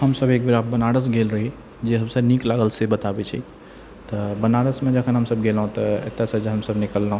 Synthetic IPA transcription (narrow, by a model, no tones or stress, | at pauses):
ɦəmsəbek̚biɾabənaɽəsɡelɾəɦi | d͡ʒeɦəmsəniklaɡəlsebət̪abɛt͡ʃʰḭ | t̪əbənaɽəsmed͡ʒəkʰənɦəmsəbɡelɦũt̪ɔḛt̪ːasəd͡ʒeɦəmsəbnikəlːəɦũ